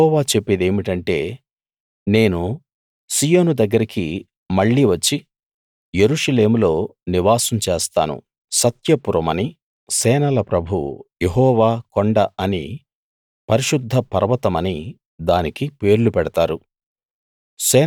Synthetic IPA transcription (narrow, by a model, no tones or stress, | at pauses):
ɔːʋaːt͡ʃe̞pːed̪e̞ːmiʈɐɳʈe̞̰ː | ne̞ːnu | siːjo̞ːnud̪ɐɡːɐɾiki | mɐɭːiʋɐt͡ʃːi | je̞ɾuːʂɐle̞ːmulo̞ːniʋaːsɐmt͡ʃeːst̪aːnṵ | sɐt̪jɐpuɾɐmɐni | sɛːnɐlɐpɾɐbʱṵjeɦɔːʋaːkoɳɖɐɐnḭ | pɐɾiʃud̪ʱːɐpɐɾɐʋɐt̪ɐmɐni | d̪aːnikipe̞ːɾlupɛɽɐt̪aːɾu | sɛː